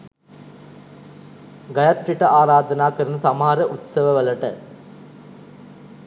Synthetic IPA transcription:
ɡɐjɐt̪ɾiʈɐʔaːɾaːd̪ɐnaːkɐɾunɐsɐmɐɦaɾɐʔut̪sɐʋɐʋɐlɐʈə

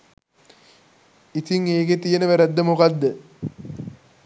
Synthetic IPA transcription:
it̪iŋeːket̪ijenəʋæɾæd̪ːəmukad̪ːə

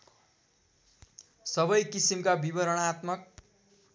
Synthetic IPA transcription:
sʌbʌjkisimkabibʌɾʌɽ̃at̪mʌk̚

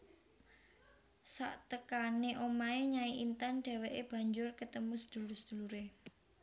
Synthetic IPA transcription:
sa̰ʔt̪əkaneʔomaeɲaiʔint̪anɖ̥a̤weʔeb̥ä̤ɲd͡ʒʊrkət̪əmusəd̪̥ṳlʊsəd̪̥ṳluɾe

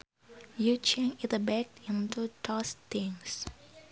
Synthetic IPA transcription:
jut͡ʃɛ̃ŋit̪əbɛk̚ĩnt̪ut̪ʰɔst̪ɪŋs

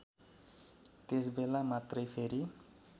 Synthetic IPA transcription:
t̪esbelamat̪rʌjpʰeɾi

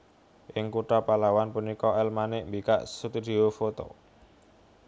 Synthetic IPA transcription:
ʔɪŋkuʈapalawanpunikɔɛlmanɪʔmbikaʔsut̪id̪iofot̪o̰

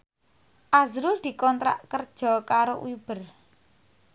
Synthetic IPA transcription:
ʔazɾʊld̪̥i̤kɔnt̪ɾa̰ʔkərd̥ʒ̥ɔ̤kaɾoʔujub̥ə̤r

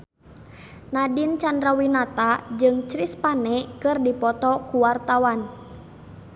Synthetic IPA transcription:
nadint͡ʃandɾawinat̪ad͡ʒɨŋt͡ʃɾispanɛkɨrdipɔt̪ɔkuwart̪awan

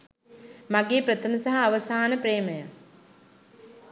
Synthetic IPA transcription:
maɡeːpɾət̪ʰəməsaɦɐːʋəsaːnəpɾeːməja

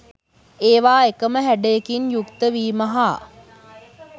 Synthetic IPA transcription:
eːʋaːekəməɦæɖəjekinjukt̪əʋiːməɦa

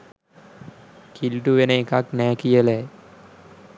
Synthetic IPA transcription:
kilʈuʋenəekaknæːkijəle

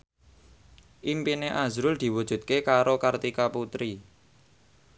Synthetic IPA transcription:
ʔimpineʔazɾʊld̪̥i̤wud̥ʒ̥ṳt̪̚kekaɾokart̪ikaput̪ɾi

